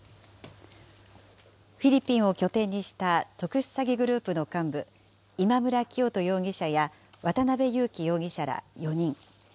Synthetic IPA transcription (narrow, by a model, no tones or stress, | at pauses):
ɸʲiɾʲipʲːĩɰ̃o̞kʲo̞t̪ẽ̞ɲ̟ːiɕi̥t̪at̪o̞kɯ̟ɕɨ̥saɡʲiɡɯ̟ɾɯ̟ːpɯ̟no̞kãmbɯ̟ | imamɯ̟ɾakʲio̞t̪o̞jo̞ːɡʲiɕaja | βat̪anabe̞jɯ̟ːkʲijo̞ːɡʲiɕaɾa̰jo̞ɲ̟ĩŋ